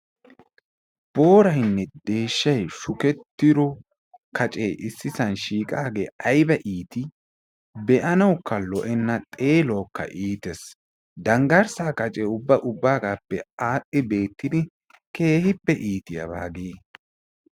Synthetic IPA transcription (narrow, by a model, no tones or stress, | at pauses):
b̥o̞ːɾɐjnːɛd̪e̞ːʃːɐjʃʊkɛt̪ːɪɾɔ | kʰɐt͡ʃʼeːʔɪsːɪsɐnʃiːkʼaːɡeːʔɐjbɐʔiːt̪ɪ | bɛʔɐnɐwkːɐlɔʔɛnːɐt̪ʼe̞ːlɔːkːɐ̰ʔiːt̪ɛs | d̪ɐŋɡɐɾsaːkɐt͡ʃʼɛʊbːɐʔʊbːaːɡaːpːɛaːtʼːɪbe̞ːt̪ːɪd̪ɪ | ke̞ːhɪpːɛʔiːt̪ɪjɐ̰ba̰ːɡeː